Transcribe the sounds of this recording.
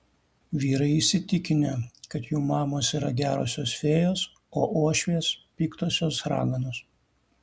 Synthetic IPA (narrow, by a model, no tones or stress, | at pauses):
ʋʲiːɾɐɪɪʃsʲɪt̪ʲɪkʲɪnʲɛkɐt̪juːmɑːmoːsiːɾɐɡʲæːɾoːsʲoːsfʲeːjoːs | oːʔoɔʃʲʋʲeːspʲiːkt̪oːsʲoːsɾɑ̰ːɡɐnoːs